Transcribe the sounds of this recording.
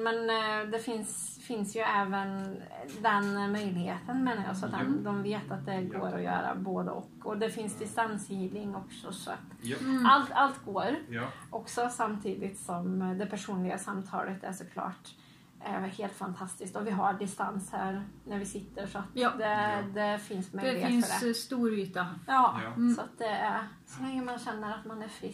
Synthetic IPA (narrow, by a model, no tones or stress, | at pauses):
mɛnd̪ɛfɪns | fɪnsjɵɛːvənd̪ɛnmœʏlɪɡheːt̪ənmeːnaɾjɑ̰ːsɔat̪d̪ɔmd̪ɔmveːt̪at̪̚d̪ɛɡoːɾɔjœ̰ːɾa̰boːd̪ə̰ʔɔ̰kːɔd̪ɛfɪnsd̪ɪst̪ansjiːvlɪŋɔksɔ̰sɔa̰t̪alt̪alt̪ɡoːɾʔɔksɔsamt̪ʰiːd̪ɪt̪sɔmd̪ɛpʰæʂuːnlɪɡasamt̪ʰɑ̰ːlət̪æ̰ʂɔkʰlɑ̰ːʈ | heːlt̪fant̪ʰast̪ɪsk̚t̪ɔvɪɦaɖɪst̪anshæ̰ːɾnæɾvɪsɪt̪ːəʂɔat̪d̪ɛd̪ɛfɪnsmœʏlɪɡeːt̪nfœɖɛst̪uːɾyːt̪ajɑːsɔat̪̚d̪ɛæɾ | sɔlɛŋːəmanɕɛnːəɾat̪manæɾfɾɪ